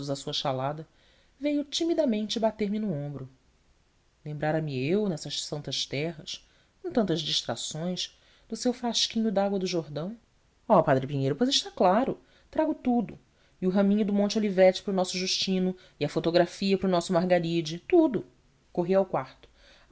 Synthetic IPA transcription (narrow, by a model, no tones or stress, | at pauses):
zɐsuɐʃalad̪ɐ | vejʊt͡ʃimid̪ɐmẽnt͡ʃɪbat̪eɾmɪnʊõmbɾʊ | lẽmbɾaɾɐmɪewnɛsɐʃsɐ̃nt̪ɐʃt̪ɛɦɐs | kõt̪ɐ̃nt̪ɐzd͡ʒiʃt̪ɾa̰sõj̃ʃ | d̪̥ʊsewfɾaʃkĩɲʊd̪aɡwɐd̪ʊʒoɦd̪ɐ̃w̃ | ɔpad̪ɾɪpiɲejɾʊpojzɪʃt̪aklaɾʊ | t̪ɾaɡʊt̪ud̪ʊ | iʊɦɐ̃mĩɲʊd̪ʊmõt͡ʃolivɛt͡ʃɪ̥pɾʊnɔsʊʒuʃt͡ʃĩnʊ | ɪɐfot̪oɡɾafiɐpɾʊnɔsʊmaɦɡaɾid͡ʒɪt̪ud̪ʊ | koɦiawkwaχt̪ʊ̥